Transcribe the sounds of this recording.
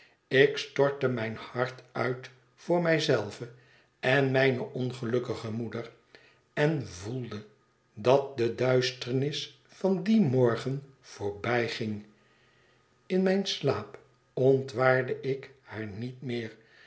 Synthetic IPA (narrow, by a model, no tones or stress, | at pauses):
ɪkstɔɹtəmɛjnhɑɹtœɥt | fʊːɹmɛjzɛlˠvə | ɛnmɛjnəʔɔnχəlɵkəχəmudər | ɛnvulˠdə | dɑt̚dədœɥstəɹnɪs | fɑndimɔɹχən | v̥oːɹbɛjχɪŋ | ɪnmɛjnslaːp | ɔntʋaːɹdəʔɪkhaːɹnitmɪːɹ